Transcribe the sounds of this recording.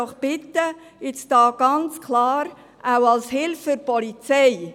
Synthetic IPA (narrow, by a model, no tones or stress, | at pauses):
ɔχb̥ɪt̪ːə | ɪt͡sd̥ɑːɡ̥ɑnt͡skʰlɑːɾ | ʔawɑlshɪlfʏɾpɔlit͡sɛɪ